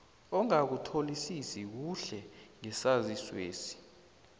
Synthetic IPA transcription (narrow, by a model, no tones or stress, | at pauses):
ɔŋak̬utʰolisisik̬uɬɛŋɛsaziswḛːsi̥